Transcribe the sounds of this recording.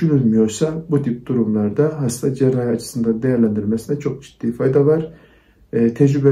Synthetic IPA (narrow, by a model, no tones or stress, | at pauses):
ynylʲmyjo̞ɾsabut̪ʰip̚d̪uɾumlˠaɾd̪aɦast̪ʰad͡ʒɛɾaːɦiat͡ʃʰɯ̥sɯnd̪and̪e̞jæɾlʲænd̪iɾmesinɛt͡ʃʰo̞k̚d͡ʒi̥d̪̥ːiːfajd̪avaɾ̥ | t̪ʰɛd͡ʒɾybɛ